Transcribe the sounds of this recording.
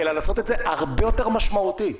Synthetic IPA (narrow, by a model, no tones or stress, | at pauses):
elalaːso̞t̪et̪ze̞ʔaʁbejo̞t̪e̞ʁmaʃmaut̪i